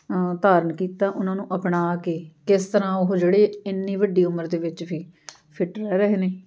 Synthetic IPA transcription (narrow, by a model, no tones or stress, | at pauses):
t̪aːɾənkiːt̪ãːʔʊnãːnũːʔəpɳaːkeːkɪst̪əɾãːʊɦʊd͡ʒeːɽeːɪnːiːʋəɖiːʊməɾd̪eːʋɪt͡ʃbiː | pʰɪʈɾɛːɾəɦeːneː